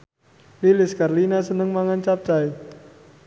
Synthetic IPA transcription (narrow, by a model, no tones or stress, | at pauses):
lilɪskarlinasənəŋmaŋant͡ʃap̚t͡ʃae